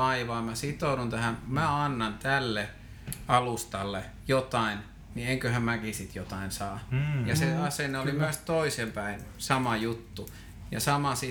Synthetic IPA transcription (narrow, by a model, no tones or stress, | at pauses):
ɑiʋɑːmæsit̪ouɾunt̪æhæmmæɑnːɑnt̪ælːe | ɑlust̪ɑlːe | jot̪ɑin | nieŋkøhæmmækisit̪jot̪ɑinsɑːjɑseɑsenːeolimyæst̪oisempæinsɑmɑjut̪ːu | jɑ̰sɑmɑsi